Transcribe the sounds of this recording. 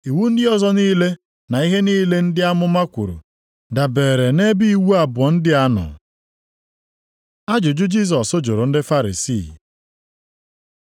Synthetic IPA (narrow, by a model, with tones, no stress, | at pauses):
i˨wu˦n̩˦dɪ˦ɔ˦zɔ˦niː˦le˦ | na˨i˦ɦe˦niː˦le˦n̩˦dɪ˦a˦mʊ˦ma˦kʷṵ˨ɾṵ˨ | da˨be˨ɾe˨ne˦bi˦i˦wu˦a˨bʊ˨ɔ˨n̩˦dɪ˦a˦nʊ̰˨ | a˦d͡ʒʊ˨d͡ʒʊ˦d͡ʒi˦˨s̬ɔ˨sʊ˦d͡ʒʊ˨ɾʊ˨n̩˦dɪ˦fa˦ɾḭ˨sḭ˦˨